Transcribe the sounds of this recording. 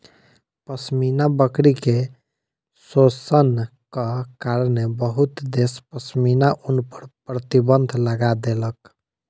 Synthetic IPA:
pəsminabəkɾike | sosənkəkaɾənebəɦut̪d̪espəsminaʔunpəɾpɾət̪ibənd̪ʱləɡad̪elək

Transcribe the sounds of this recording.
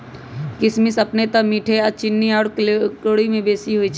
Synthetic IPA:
kɪsmɪsɐpnet̪ɐmiːʈʰeɔt͡ʃɪnːiɔːɽkoːɽimẽbeːsiɦuit͡ʃ

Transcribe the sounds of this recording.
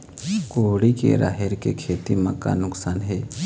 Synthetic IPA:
koɽikḛɾa̰ːɦeɾkekʰeːt̪imɐ̃ka̰nʊksaːnɦɛː

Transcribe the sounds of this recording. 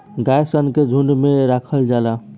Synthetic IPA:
ɡajsənked͡ʒʱuɳɖmeɾakʰəld͡ʒala

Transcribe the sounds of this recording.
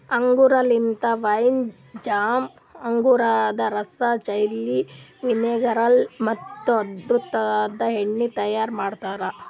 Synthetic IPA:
ɐŋɡuɾɐlint̪ɐʋɐjn | d͡ʒaːm | ɐŋɡuɾad̪ɐɾɐsat͡ʃɐjlːiʋineːɡɐɾɐlmɐt̪ːuɐd̪bɾut̪ːɐd̪ɐɦeɳːit̪ɐjaːɾmaːɖt̪aːɾɐ

